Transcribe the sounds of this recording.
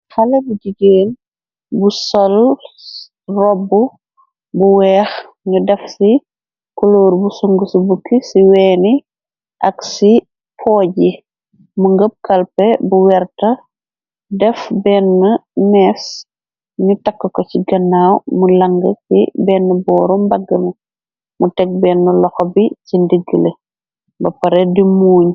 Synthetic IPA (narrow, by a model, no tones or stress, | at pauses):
xɐlɐbuɟiɡeːn | busɔl | rɔbːu | buwɛːx | ɲudɛfsi | kɔloːɾbusuŋɡusibukːisiwɛːni | ʔɐksi | pʰɔːɟi | muŋɡəp̚kɐlpɛbuwɛrtɐ | dɛfbɛːnːɐmɛs | ɲutɐkːɐkɔciɡɐnːaːwmulɐŋɡɐsḭbɛːnːəbɔːɾɔmbɐɡːɐmɐ | mutɛk̚bɛːnːɐlɔxɔbicindəɡːəle | bɐpɐɾɛdimuːɲ